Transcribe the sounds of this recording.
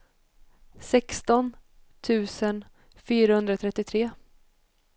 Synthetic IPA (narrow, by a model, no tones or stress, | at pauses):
sɛkst̪ɔnt̪ʰʉ̟ːsən | fyːɾahɵnd̪ɾat̪ʰɾɛt̪ːɪt̪ʰɾeː